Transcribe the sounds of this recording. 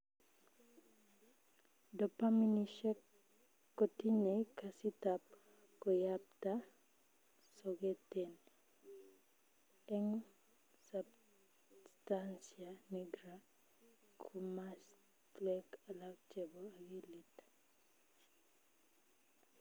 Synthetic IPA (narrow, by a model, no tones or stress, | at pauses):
dɔpaminiʃɛkː | ɔtiɲekasitap̚ | kɔjap̚ta | sɔɡeten | ɛŋ | sab | stansianiɡɾa | kʰumas | tlɛkalak̚t͡ʃɛbɔaɡilit